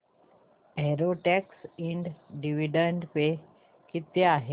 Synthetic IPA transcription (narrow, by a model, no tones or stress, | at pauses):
ɛɾoʈɛksiɳɖɖiʋiɖəɳɖpe | kit̪eaɦe